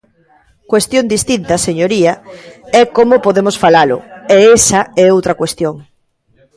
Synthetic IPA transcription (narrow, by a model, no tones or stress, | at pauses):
kwest̪jõŋd̪ist̪int̪ɐseɲoɾiɐɛkomopoðemosfalalʊ̰eɛsɐɛowt̪ɾɐkwest̪joŋ